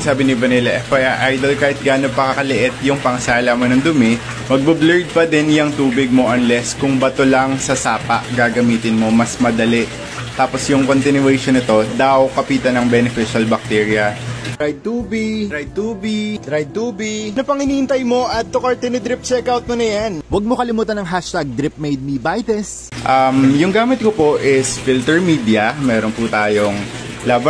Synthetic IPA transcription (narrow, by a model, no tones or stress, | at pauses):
saːbɪnɪbɐnilɐʔɛfɐjaʔajd̪olkaːhɪt̪̚ɡaːnopɐkɐkɐlɪʔɛt̪̚jʊŋpɐŋɐsaːlɐmonɐŋd̪ʊmɛ | mɐɡ̚bɐblɛɹd̪̚pɐd̪ɛnjɐŋt̪uːbɪɡ̚mo̞ʔɐnlɛskʊŋbɐt̪olɐŋsɐsaːpɐ̰ʔɡaːɡɐmiːt̪ɪnmo̞mɐsmɐd̪ɐlɛʔ | t̪aːposjʊŋko̞nt̪ɪnʊɛjʃonɪt̪o̞d̪ɐwkɐpiːt̪ɐnɐŋbɛnɛfɪʃɐlbɐk̚t̪ɛːɹjɐɾajd̪̚t̪uːbiɡɾajd̪̚t̪uːbiɡd̪ɾajd̪̚t̪uːbɪɡnɐpɐŋɪniːʔɪnt̪ɐjmo̞ʔɐd̪̚t̪okaɹt̪ɛnɪd̪ɾip̚t͡ʃɛkawt̪̚monɐjanwɐɡ̚mo̞kɐlɪmuːt̪ɐnɐŋɦaʃt̪aɡ̚d̪ɾɪp̚mejd̪̚mibajt̪ɛs | ʔɐmjʊŋɡaːmɪt̪̚kopoʔɪsfilt̪ɛɹmiːd̪jɐmɛːɾonput̪aːjoŋ | lav